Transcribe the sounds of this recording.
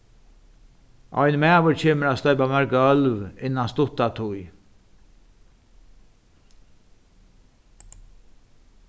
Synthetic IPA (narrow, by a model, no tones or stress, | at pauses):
ʔɔjnmæːʋəɾt͡ɕʰeːməɾast̪ɔjpamaɹkaœlvɪnːanst̪ʊt̪at̪ʰʊj